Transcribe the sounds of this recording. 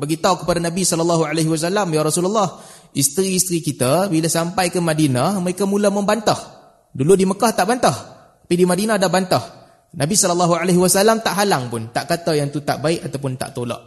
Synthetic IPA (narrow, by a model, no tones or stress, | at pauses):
baɡit̪aawkəpadanabisɔlɔlːaɦualeɦiwas̬alamjaɾɔsulalːɑh | ist̪ɾiːst̪ɾikit̪abilasampajkəmadinaməɾekamulamə̃mbant̪ah | duludiməkaht̪aʔbant̪ahtt̪ḁpidimadinãdahbant̪ah | nabisɔlɔlːɑɦualeɦiwasalamt̪aʔɦalaŋpʊnt̪aʔkat̪ajaŋt̪ut̪a̰ʔbaɪʔat̪awpʊnt̪a̰ʔt̪olɔ̰ʔ